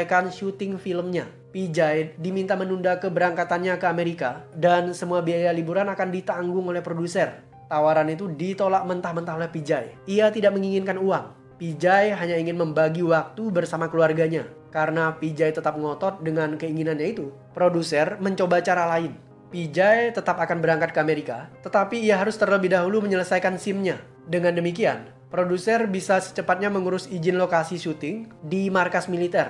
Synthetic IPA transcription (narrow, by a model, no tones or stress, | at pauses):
kanʃut̪ɪŋfiləmɲa | pid͡ʒajdimint̪amənundakəbəɾaŋkat̪anɲakəameɾikadansəmuabiajalibuɾanakandit̪aŋɡʊŋolɛhpɾodusər | t̪awaɾanit̪udit̪olaʔmənt̪ahmənt̪aɦolɛhpid͡ʒajiat̪idak̚məŋiŋɪnkanuaŋ | pid͡ʒajɦaɲaiŋɪnməmbaɡiwak̚t̪ubərsamakəluarɡaɲa | kaɾənapid͡ʒajt̪ət̪ap̚ŋɔt̪ɔt̪̚dəŋankəiŋinanɲait̪u | pɾodusərməɲt͡ʃobat͡ʃaɾalaɪn | pid͡ʒajt̪ət̪apakanbəɾaŋkat̪̚kəameɾikat̪ət̪apiːaɦaɾʊst̪ərləbɪhdaɦuluməɲələsajkansɪmɲa | dəŋandəmikian | pɾodusərbisasə̥t͡ʃəpat̪̚ɲaməŋuɾʊsid͡ʒɪnlokasiʃut̪ɪŋdimarkasmilit̪ɛr